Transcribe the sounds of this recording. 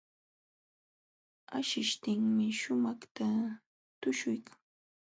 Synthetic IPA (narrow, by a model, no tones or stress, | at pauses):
a̰ʃɪʃt̪ɪŋmɪʃʊmɑχt̪a | t̪ʊʃʊjkʰḁŋ